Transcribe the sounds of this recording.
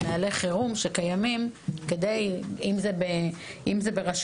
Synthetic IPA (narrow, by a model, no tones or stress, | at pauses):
naːleχeʁumʃekajamimked̪ejimzebeʔimze̞beʁaʃ